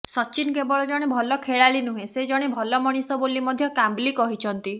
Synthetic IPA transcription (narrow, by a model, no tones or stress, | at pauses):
sɔt͡ʃinkebɔɭɔd͡ʒɔɽ̃ebʱɔlɔkʰeɭaɭinuɦẽsed͡ʒɔɽ̃ebʱɔlɔmɔɽ̃isɔbolimɔd̪ʱjɔkamblikɔɦit͡ʃʰɔnt̪i